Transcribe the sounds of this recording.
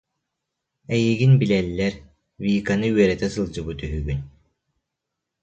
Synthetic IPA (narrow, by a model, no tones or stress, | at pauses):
ɛjiɡinbilɛlːɛɾ | viːkanɯyɛɾɛt̪ɛsɯlˠd͡ʑɯbut̪yɦyɡynʲ